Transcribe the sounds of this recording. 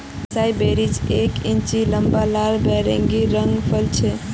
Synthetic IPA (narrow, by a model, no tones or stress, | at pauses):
sajbeɾid͡ʒekĩnt͡ʃiləmbalalbɛɾə̰̃ŋɡiɾəŋɡpʰəlt͡ʃʰɛ